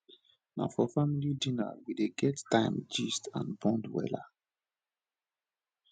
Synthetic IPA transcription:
na̰fɔfamilidĩna̰wideɡɛttãɪmd͡ʒistã̰nbɔ̃ndwɛ̰la

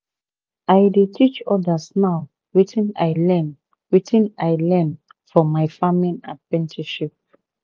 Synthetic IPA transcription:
ajdetʰit͡ʃɔdasnaw | witĩna̰jlɛ̃n | witʰĩnajlɛ̃n | fɔmajfãmĩna̰pɹɛ̃ntʰiʃip̚

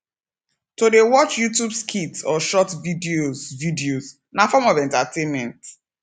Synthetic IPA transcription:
todewɔt͡ʃjutjubskʰitsɔʃɔtvidiozvidioz | nafɔmɔvɛ̃ntatʰenmɛ̃nt

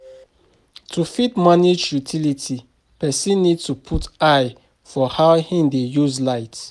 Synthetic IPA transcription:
tʰufitmanijutʰilitʰi | pɛsĩnːidtupʰutaɪ | fɔhaʊhĩndejuzlaɪt

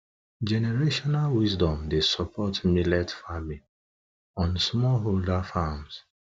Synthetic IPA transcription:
d͡ʒɛneɹeʃɔnalwisdɔ̃mdesɔpʰɔtmilɛtfami | ɔ̃nsmɔlɦoldafams

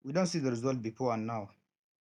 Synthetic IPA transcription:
widɔ̃ntsiːdəɾizɔlt̚bifɔãnːaw

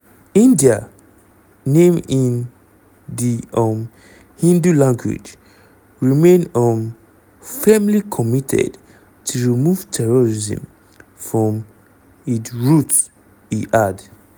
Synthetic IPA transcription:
ĩndia | nẽmĩn | ðiʌm | hĩndulãŋɡwḭd͡ʒ | ɹimẽnɔm | fɛmlikʰɔmitʰɛ̰d | tʰuɹimuv̥tʰɛɹɔɹizə̰̃m | fɹɔ̃m | itɹut | iʔad

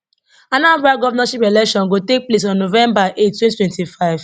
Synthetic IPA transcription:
ãnapaɡɔvanaʃipɛlɛkʃɔ̃nɡotek̚ples̬ɔ̃nːovɛ̃mbaʔet̚twɛ̃nitwɛ̃ntifaɪv̥

